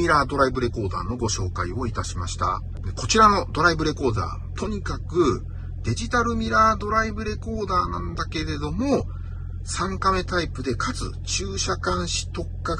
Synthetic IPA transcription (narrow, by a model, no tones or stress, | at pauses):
iɾaːd̪o̞ɾaibɯ̟ɾe̞ko̞ːd̪a̰ːno̞ɡo̞ɕo̞ːkaio̞it̪aɕimaɕi̥t̪a̰ | d̪eko̞t͡ɕiɾano̞d̪o̞ɾaibɯ̟ɾe̞ko̞ːd̪a̰ː | t̪ʰo̞ɲ̟ikakɯ̟ | d̪̥e̞ʑit̪aɾɯ̟mʲiɾaːd̪o̞ɾaibɯ̟ɾe̞ko̞ːd̪aːnãnd̪ake̞ɾe̞d̪o̞mo̞ | sãŋkame̞t̪aipɯ̟d̪e̞kʰat͡sɨ̰t͡ɕɨːɕakãɰ̃ɕi̥t̪o̞kːa